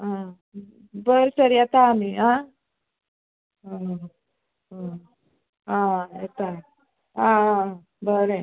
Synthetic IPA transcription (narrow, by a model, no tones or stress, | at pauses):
ɦã | bəɾsəɾijat̪aːmiɦã | ɦə | ɦə | ãat̪a | ɦã | bəɾe